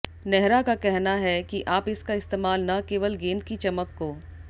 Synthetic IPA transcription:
nɛɦɾakakɛɦnaɦɛkiʔaːpɪskaɪst̪eːmaːlnakeːʋəlɡẽːnd̪̚kit͡ʃɐməkːoː

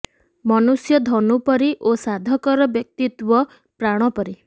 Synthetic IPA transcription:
mɔnusjɔd̪ʱɔnupɔɾiʔosad̪ʱɔkɔɾɔbjɔk̚t̪it̪wɔ | pɾaɽ̃ɔpɔɾi

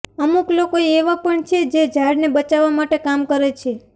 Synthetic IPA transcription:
əmuklokoeeʋapəɳt͡ʃʰed͡ʒed͡ʒʱaɽnebət͡ʃaʋamaʈekamkəɾet͡ʃʰe

